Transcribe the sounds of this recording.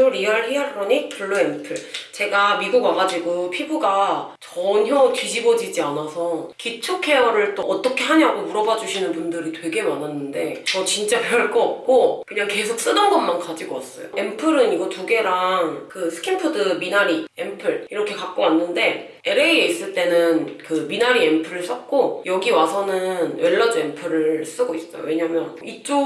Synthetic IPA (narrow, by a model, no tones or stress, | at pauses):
oɾiaɭɦeaɾɾʌɲipʰuɭːuempʰɯɭt͡ɕe̞ɡamiɡuɡwaɡad͡ʑiɡupʰibuɡat͡ɕʌɲɦjʌtɥid͡ʑibʌd͡ʑid͡ʑianasʰʌkit͡ɕʰokʰe̞ʌɾɯɭt͈oʌt͈ʌkʰe̞ɦaɲaɡomuɾʌbad͡ʑuɕʰinɯnpundɯɾitwe̞ɡe̞mananːɯnde̞ʌt͡ɕint͡ɕ͈apʌɭk͈ʌːp̚k͈okɯɲaŋke̞sʰok̚s͈ɯnɯnɡʌnmankad͡ʑiɡoas͈ʌ̰jo̰e̞mpʰɯɾɯniɡʌtuɡe̞ɾaŋkɯsʰɯ̥kʰimpʰɯdɯminaɾiempʰɯɭiɾʌkʰe̞kak̚k͈oanːɯnde̞ | e̞ɾeieis͈ɯɭt͈e̞nɯnkɯminaɾiempʰɯɾɯɭs͈ʌk̚k͈ojʌɡiwasʰʌnɯnwe̞ɭːad͡ʑue̞mpʰɯɾɯs͈ɯɡois͈ʌjo̰we̞ɲamjʌnit͡ɕ͈o